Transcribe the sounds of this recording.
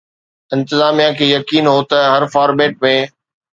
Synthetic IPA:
ɪ̃nt̪ɪzaːmijãkʰeːjɐkiːnɦoːt̪ɐɦɐɾfaːɾmeːʈ̚mẽ

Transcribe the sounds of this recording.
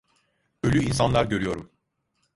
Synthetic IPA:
ølʲyinsanlˠaɾɟø̞ɾyjo̞ɾum

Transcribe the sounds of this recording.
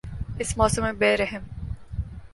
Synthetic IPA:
ɪsmɔːsəmẽbeːɾɛɦɪm

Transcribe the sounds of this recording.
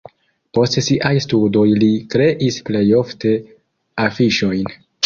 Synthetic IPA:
po̞stsiʔajstudo̞jlikɾe̞ʔisple̞jo̞fte̞ | afiʃo̞jn

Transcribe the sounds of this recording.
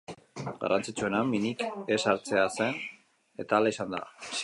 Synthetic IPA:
ɡa̰rʔant͡sit͡sue̞naminike̞saɾt͡se̞ase̞n | e̞t̪aːlaisand̪a̰

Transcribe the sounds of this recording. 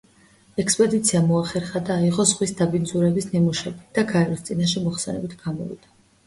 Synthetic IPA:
ɛkspʼɛd̪it̪sʰiamɔaχɛɾχad̪aːiʁɔzʁwisd̪abinzuɾɛbisnimuʃɛbid̪̥aɡʰaɛɾɔst̪sʼinaʃ̬ɛmɔχsɛnɛbit̪ʰɡ̥amɔ̰vḭd̪̥a

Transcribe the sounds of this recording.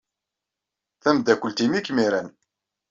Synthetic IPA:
θæmd̪ækʷəlt̪imikːmiɾæn

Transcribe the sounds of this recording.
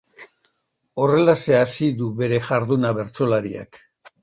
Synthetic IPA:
o̞re̞lase̞asiðuβe̞ɾe̞ʝaɾðunaβe̞ɾt͡so̞laɾḭa̰k

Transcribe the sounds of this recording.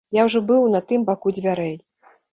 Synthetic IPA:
jawʐɔbɨwnɐt̪ɨmbakud͡zʲvʲaɾɛj

